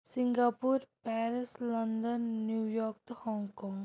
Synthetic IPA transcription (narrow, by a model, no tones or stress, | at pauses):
sɪ̃ŋɡaːpuɾpɛːɾɪslɐnd̪ənːjuːjɔːɾk̚t̪ohɔ̃ːŋɡkɔ̃ːŋɡ